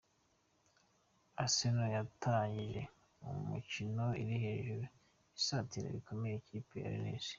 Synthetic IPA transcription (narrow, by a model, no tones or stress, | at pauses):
asenojatʰaɲɟiʒe̞̰ | umḭcino̞iɾihe̞ːʒuɾu | isaːtiɾḛβikʰo̞mejecʰiːpeja̰ɾḭnḭːzi̥